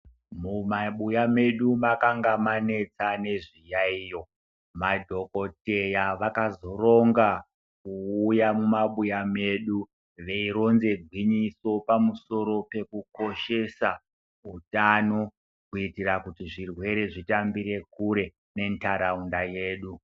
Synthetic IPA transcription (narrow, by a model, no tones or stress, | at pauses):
mumaɓujame̞ɗumakaŋɡamane̞t͡sane̞ʐijaijo̞ | madʱo̞ko̞te̞jaʋakazo̞ro̞ŋɡa | kuːjamumaɓujame̞ɗu | ʋe̞iɾo̞nze̞ɡʱwiɲiso̞pamuso̞ɾo̞pe̞kuko̞ʃe̞sa | utano̞ | kuitirakutiʐirwe̞ɾe̞ʐitambiɾe̞kuɾe̞ | ne̞ntaɾaundaje̞ːɗu